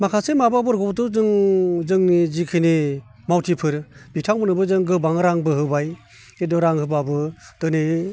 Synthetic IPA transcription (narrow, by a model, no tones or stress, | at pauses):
makʰasemababɯɾɡɔptɯzɯŋzɯŋnizikʰɯni | mawtʰipʰɯɾb̥itʰaŋbɯnɯbɯzɯŋɡɯbaŋɾaŋbɯhɯbaj | edɔɾaŋhɯbabɯtɯne